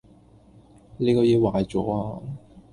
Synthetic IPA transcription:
le˨˧kɔː˧ji˧waː˨˧jt͡sɔ̰ː˨˥aː˧

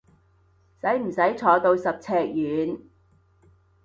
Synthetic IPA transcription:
sɐ˨˥jm̩˨˩sɐ˨˥jt͡ʃʰɔː˨˧t̪o˧wsɐ˨p̚t͡sʰɛː˧k̚jyː˨˧n

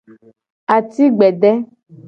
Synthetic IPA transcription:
a˨t̪i˦ɡ͡bɛ˨ɖɛ˦

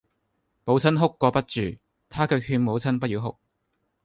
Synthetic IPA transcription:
mo˨˥wt͡sʰɐ˥nɦʊ˥kːʷɔː˧pɐ˥t̚t͡ʃyː˨˩ | t̪ʰaː˥kœː˧k̚hyː˧nmo˨˧wt͡sʰɐ˥npɐ˥t̚jiː˨˧wɦʊ̰˥k̚

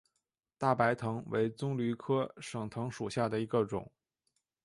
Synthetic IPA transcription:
t̪a˥˩pa˧˥ɪt̪ʰɤ˧˥ŋwḛ˧˥ɪt͡sʊ˥ŋly˧˥kʰɤ˥ʂɤ˨˩ŋt̪ʰɤ˧˥ŋʂu˨˩ɕja˥˩d̪ə˩i˧˥ɡə˧ʈ͡ʂʊ̰˨˩˦ŋ

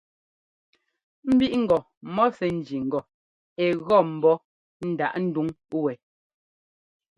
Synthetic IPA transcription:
m̩˦bi˦ʔŋ̩˨ɡɔ˨ | mɔ˦sɛ˨n̩˦˨d͡ʒi˨ŋ̩˨ɡɔ˨ | ɛ˨ɣɔ˦˨m̩˨bɔ˦ | n̩˦da̰˨ʔn̩˦du˦ŋ˦ | wɛ˨

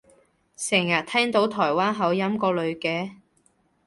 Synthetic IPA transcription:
sɛː˨˩ŋjɐ˨t̚t̪ʰɛː˥ŋt̪o˨˥wt̪ʰɔː˨˩jwaː˥nɦɐ˨˧wjɐ˥mkɔː˧lɵ˨˧ɥkɛː˨˥

